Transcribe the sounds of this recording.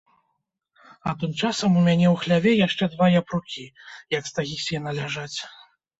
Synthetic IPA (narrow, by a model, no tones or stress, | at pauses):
ɐt̪ɨmt͡ʂasɐmumʲanʲɛwxlʲavʲɛjaʂt͡ʂɛd̪vajapɾukʲijɐkst̪aɣʲisʲjɛnɐlʲaʐat͡sʲ